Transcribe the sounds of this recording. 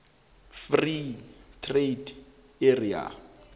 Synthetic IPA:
fritʰred | eria̰

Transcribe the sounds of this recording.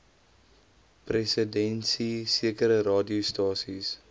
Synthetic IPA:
presədɛnsisiəkəɾəɾɑːdiostɑːsis

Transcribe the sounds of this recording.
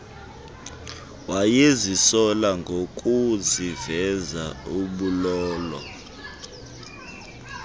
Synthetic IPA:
wajezisɔlaŋɡʱok̬ʼuzivɛzauɓulɔːlɔ̰

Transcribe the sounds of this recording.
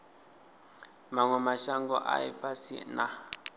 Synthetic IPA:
maŋwɛmaʃaŋɡɔʔa̰ḭpʰasḭna

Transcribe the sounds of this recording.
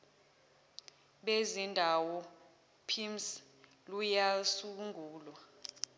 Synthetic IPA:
ɓezindʱawɔ | pʰims | lujasuk̬uŋʱuːlwa

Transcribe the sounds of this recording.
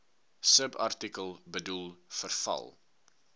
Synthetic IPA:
səbɐ̰rtikəlˠbədulˠfərfɐ̰lˠ

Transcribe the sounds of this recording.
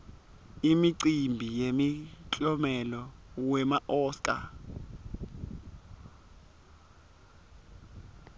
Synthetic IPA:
imiǀimbʱijemit͡ɬʼɔmɛlɔwɛmaʔɔːskʼa̰

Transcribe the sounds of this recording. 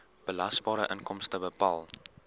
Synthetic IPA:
b̥əlɐsbɑːɾəʔənkɔmstəbəpɑːlˠ

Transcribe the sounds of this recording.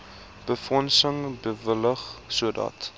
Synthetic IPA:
b̥əfɔnsəŋbəvələχsuədɑ̰t

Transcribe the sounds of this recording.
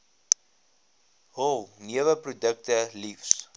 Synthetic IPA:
ɦɔlˠniəvəprodək̚təlifs

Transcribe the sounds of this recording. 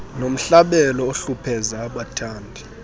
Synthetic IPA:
nom̩ɬaɓɛlɔoɬupʰɛzaːɓatʰaːndʱi

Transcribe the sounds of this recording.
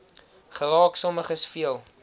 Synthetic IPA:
χəɾɑːksɔməχəsfiəlˠ

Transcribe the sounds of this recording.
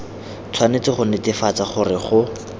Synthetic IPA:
t͡sʰwanet͡sɪχʊnɪtɪfat͡saχʊrɪχʊ

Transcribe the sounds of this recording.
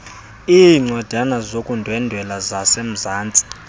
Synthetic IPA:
iŋ͡ǀad̥ʱanazokʼundʱwɛndʱwɛlazasem̩zaːnt͡sʼi̥

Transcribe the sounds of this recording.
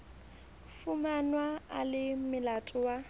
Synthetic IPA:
fumanwaalɪmɪlatʼʊwa

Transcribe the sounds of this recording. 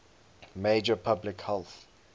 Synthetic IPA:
meɪd͡ʒəpʰablɪkhɛlˠθ

